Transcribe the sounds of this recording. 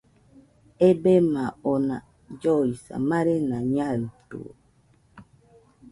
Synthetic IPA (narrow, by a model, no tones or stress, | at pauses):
ebemaɔna | d͡ʒɔisa̰maɾenaɲaɾtṵ